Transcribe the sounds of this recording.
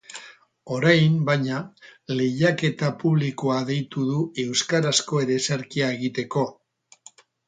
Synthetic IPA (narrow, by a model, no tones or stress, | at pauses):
o̞ɾajmbajɲale̞jake̞t̪apuβ̞likoaðe̞jt̪uðue̞wskaɾasko̞e̞ɾe̞seɾkiae̞ɣ̞it̪e̞ko̞